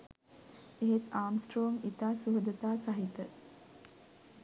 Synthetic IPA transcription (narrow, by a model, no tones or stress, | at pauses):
eɦet̪aːmsʈɾoːŋit̪aːsuɦəd̪ət̪aːsaɦit̪ə